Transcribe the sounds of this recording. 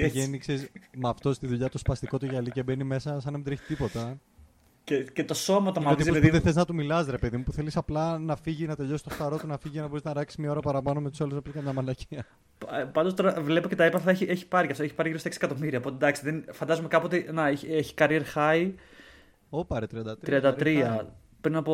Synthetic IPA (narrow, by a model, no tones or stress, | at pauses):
ʝeniksesmɐft̪o̞st̪iðuʎɐt̪ospɐst̪iko̞t̪uʝɐlicebe̞nime̞sɐsɐnðemid̪ɾeçi̥t̪ipo̞t̪ɐ | cecet̪o̞so̞mɐt̪omɐot̪iziððeθeznɐt̪umilɐsɾepe̞ðimupuθe̞lisɐplɐnɐfiʝinɐt̪eʎo̞sst̪osθɐɾo̞t̪unɐfiʝicenɐbo̞ɾiznɐɾɐksi̥zmɲɐo̞ɾɐpɐɾɐpɐnomet̪usoluznɐpiskɐmɲɐmɐlɐciɐ | pɐnd̪ost̪o̞ɾɐvle̞pocet̪ɐepɐθɐeçieçi̥pɐɾiɐft̪oeçi̥pɐɾiʝiɾoseksie̥kɐt̪omiɾiɐopo̞t̪ed̪ɐksiðenfɐnd̪ɐzumekɐpot̪enɐeçeçi̥kɐɾieɾxɐi | opɐɾet̪ɾiɐnd̪ɐt̪ɾɾiɐnd̪ɐt̪ɾiɐ | pɾinɐpo